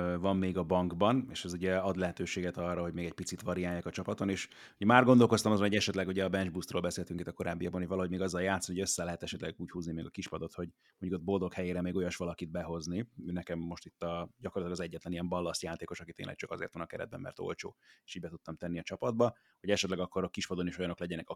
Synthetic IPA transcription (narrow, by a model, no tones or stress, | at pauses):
vɒmːeːɡɒbɒŋɡbɒneːʃɛzuɟɛɒd̪lɛɦɛt̪øːʃeːɡɛt̪ɒrːɒɦo̞ɟmeːɡɛc̚ʲpit̪sit̪ʋɒɾijaːjaːkɒt͡ʃɒpɒt̪oneːʃ | uɟɛmaːrɡond̪o̞lko̞st̪ɒmɒzonhoɟɛʃɛt̪lɛɡuɟɛɒbɛnd͡ʒbust̪roːlbɛseːlt̪yŋkit̪ːɒko̞ɾa̰ːbːijɒɡ̚bnojvɒlɒɦo̞ɟmeːɡɒzːɒljaːt̪sɒnihoøsːɛlɛɦɛt̪ɛʃɛt̪lɛɡuːchuːznimeːɡɒkiʃpɒd̪o̞t̪ho̞ɟ | moɲɟukod̪̚bo̞ld̪o̞khɛjeːɾɛmeːɡo̞jɒʃʋɒlɒkid̪̚bɛɦo̞zniøːnɛkɛmːo̞ʃt̪it̪ːɒɟɒkorlt̪lːɡɒzɛɟːɛt̪lɛniɛɱbɒlːɒst̪jaːt̪eːko̞ʃɒkit̪ḛːnlɛ̰k̚t͡ʃɒ̥kɒzḛːrt̪ɒnɒkɛ̰ɾɛ̰d̪bɛ̰mːɛ̰rt̪o̞̰lt͡ʃo̰ːeʃiːɟbɛt̪ut̪ːɒmt̪ɛnːiɒt͡ʃɒpɒd̪̚bɒ | ho̞ɟɛʃɛt̪lɛɡɒkːo̞ɾɒkiʃpɒd̪o̞niʃo̞jɒno̞klɛɟɛnɛkɒ